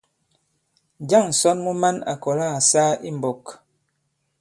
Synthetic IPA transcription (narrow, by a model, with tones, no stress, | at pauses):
d͡ʒa˦˨ŋ̩˨sɔ˦nmu˦ma˦na̰˨kɔ˨la˦a˨sa˦i˦m̩˨bo˨k